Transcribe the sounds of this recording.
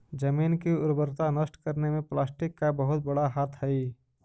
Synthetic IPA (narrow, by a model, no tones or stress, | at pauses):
d͡ʒəmiːnkiʊɾbəɾt̪anəsʈkəɾnemẽplaːsʈɪkːabəɦʊt̪̚bəɽaɦaːt̪ʰɦɛi